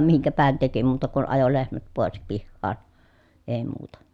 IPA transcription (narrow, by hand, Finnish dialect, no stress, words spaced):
miŋkæpæhæn teki muːtɑ kun ɑjo lehmæt poˑes pihːɑːn eˑi̯ muːtɑ